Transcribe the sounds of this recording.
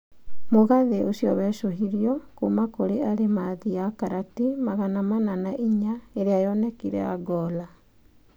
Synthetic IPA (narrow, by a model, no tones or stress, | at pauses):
moɣaðeʔosjɔβɛʃoɦiɾiɔkumakoɾeaɾemaðiakaɾatimaɣanamananaʔiɲaeɾeajɔnɛkiɾɛ̰aɡɔːla